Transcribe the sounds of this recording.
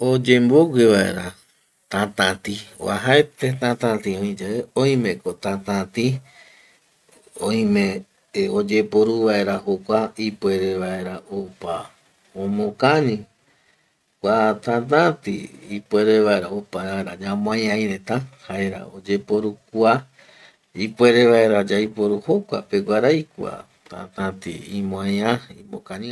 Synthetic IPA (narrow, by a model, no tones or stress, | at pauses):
od͡ʒẽmboɡʷeβaḛɾa | t̪ãt̪ãt̪ḭ̃a̰ɦaet̪et̪ãt̪ãt̪ĩõĩd͡ʒeeõj̃mẽkot̪ãt̪ãt̪ĩ | õĩmẽ | od͡ʒe̞poɾuʋae̞ɾahokʷaipweɾeʋae̞ɾaʔopa | õmõkãɲĩ | kʷat̪ãt̪̬ãt̪ḭipʷe̞ɾeʋaeɾaopaɾaeɾad͡ʒamõãjãĩɾẽt̪ãhaeɾa̰od͡ʒe̞po̞ɾukua | ipwe̞ɾe̞ʋaeɾad͡ʒajpo̞ɾuho̞kʷa̰peɡʷaɾajkʷa̰ | t̪ã̰t̪ãt̪ḭimõãjãimõkãɲĩ